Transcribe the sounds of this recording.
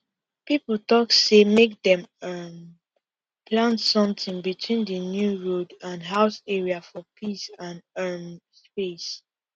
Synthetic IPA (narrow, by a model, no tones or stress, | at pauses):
pipəl̩tɔksemek̚dɛ̃mʌm | pʰlãntsʌ̃mθɪ̃ŋbitʰwĩndənjuɹodãnɦaʊsɛɹiafɔpʰisãnɛmspes